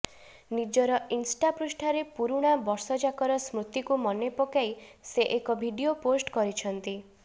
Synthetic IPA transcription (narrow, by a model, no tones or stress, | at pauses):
nid͡ʒɔɾɔinsʈapɾusʈʰaɾepuɾuɽ̃abɔɾsɔd͡ʒakɔɾɔsmɾut̪ikumɔnepɔkajseʔekɔbʱiɖioposʈkɔɾit͡ʃʰɔnt̪i